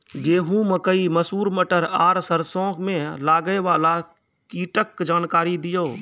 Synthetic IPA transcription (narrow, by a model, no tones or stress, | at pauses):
d͡ʒeːɦũməkəiməsuːɾməʈəɾaːɾsəɾsõːkmẽlaːɡeʋaːla | kiːʈəkd͡ʒaːnkaːɾid̪ɪjoː